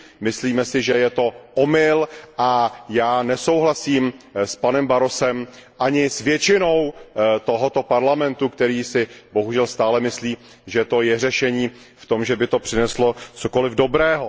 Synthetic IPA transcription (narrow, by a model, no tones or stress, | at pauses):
mɪsliːmɛsɪʒɛjɛt̪o̞ʔomɪlʔajaːnɛso̞wɦlasiːmspanɛmbaɾo̞sɛmʔaɲɪsvjɛt͡ʃɪno̞wt̪o̞ɦot̪o̞paɾlamɛnt̪ukt̪ɛɾiːsɪbo̞ɦuʒɛlst̪aːlɛmɪsliː | ʒɛt̪o̞jɛr̝ɛʃɛɲiː | ft̪o̞mʒɛbɪt̪o̞pr̥ɪnɛslo̞t͡soko̞lɪvdo̞bɾɛːɦo